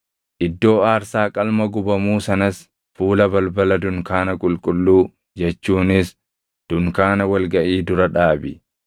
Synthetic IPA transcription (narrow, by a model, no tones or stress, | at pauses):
ʔɪd̪ːo̞ːaːɾsaːkʼɐlmɐɡʊbɐmuːsɐnɐs | fuːlɐbɐlbɐlɐd̪ʊŋkaːnɐkʼʊlkʼʊlːuː | d͡ʒɛt͡ʃːuːnɪs | d̪̥ʊŋkaːnɐwɐlɡɐʔiːd̪ʊɾɐᶑaːbɪ̰